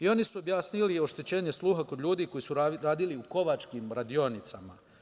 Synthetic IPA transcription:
io̞nisuo̞bjaːsnilio̞ʃt̪e̞t͡ɕe̞ːɲe̞slˠuːɦakod̪ʎuːd̪iko̞jisuɾɾaːd̪iliuko̞ʋat͡ʃkiːmɾad̪io̞nit̪sama

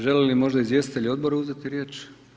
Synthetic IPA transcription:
ʒe̞lelimo̞ʒd̪aizvje̞st̪it̪eʎʲo̞d̪boɾeuzet̪iɾjeːt͡ʃ

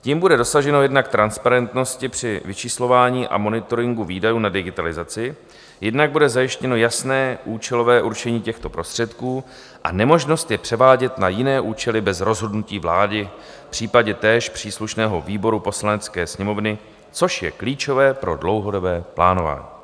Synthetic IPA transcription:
ciːmbudɛdo̞saʒɛno̞jɛdnak̚t̪ɾanspaɾɛnt̪no̞scɪpr̝̥ɪvɪt͡ʃislo̞vaːɲiːʔa̰mo̞nɪt̪o̞ɾɪŋɡuviːdajuːnadɪɡɪt̪alɪzat͡sɪ | jɛdnaɡ̚budɛzajɪʃcɛno̞jasnɛːʔuːt͡ʃɛlo̞vɛːʔuɾt͡ʃɛɲiːcɛxt̪o̞pɾo̞st̪r̝̥ɛt̪kuː | ʔa̰nɛmo̞ʒno̞st̪jɛpr̝̥ɛvaːɟɛt̪najɪnɛːʔuːt͡ʃɛlɪbɛzɾo̞zɦo̞dnuciːvlaːdɪ | fpr̝̥iːpaɟɛt̪ɛːʃpr̝̥iːsluʃnɛːɦo̞viːbo̞ɾupo̞slanɛt͡skɛːsɲɛmo̞vnɪ | t͡so̞ʃjɛ̰kliːt͡ʃo̞vɛːpɾo̞dlo̞wɦo̞do̞bɛːplaːno̞va̰ːɲḭː

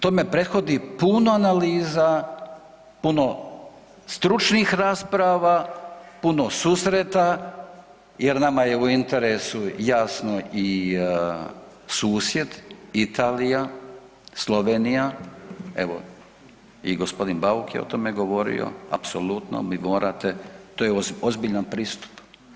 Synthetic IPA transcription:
t̪oːme̞pɾe̞t̪xo̞d̪ipunoanaliːza | puno̞ | st̪ɾut͡ʃnixɾaːspɾaʋapuno̞suːsɾet̪a | jeɾnamaje̞uint̪e̞ɾesujaːsnoi | suːsje̞d̪it̪aːlija | slo̞ʋeːnija | ḛʋo̰ | iɡospo̞d̪inbaukjḛot̪o̞meɡo̞ʋo̞ɾḭjo̰a̰pso̞lut̪no̰mimoːɾʔat̪e̞t̪oːjeozbiʎanpɾiːst̪u̥p

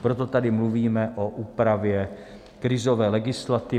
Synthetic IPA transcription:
pɾot̪o̞t̪adɪmluviːmɛʔoʔuːpɾavjɛ | kɾɪzo̞vɛːlɛɡɪslat̪ɪ

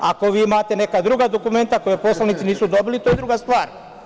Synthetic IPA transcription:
a̰ko̞ʋiːimat̪e̞ne̞kad̪ɾuɡad̪o̞kume̞nt̪ako̞jepo̞slanit̪iniːsud̪o̞bilit̪ojed̪ɾuɡast̪ʋaːɾ

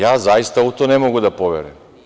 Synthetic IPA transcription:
jaːzajist̪aut̪one̞moɡud̪apoʋḛɾem

